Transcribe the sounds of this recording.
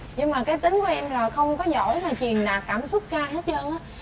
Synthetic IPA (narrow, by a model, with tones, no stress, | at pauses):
ɲɨ˧ŋmaː˨˩kaː˨˦jt̪ï˨˦ŋ̟ku˧˩ʔɛ˧mlaː˨˩xə˧wŋ͡mkɔ˨˦zɔ̰˧˩˨jmaː˨˩t͡ɕwi˨˩ənɗaː˨˩kːaː˧˩msʊ˦˥k͡p̚xaː˧jɦe˦˥t̚t͡ɕəː˧nʔaː˨˦˥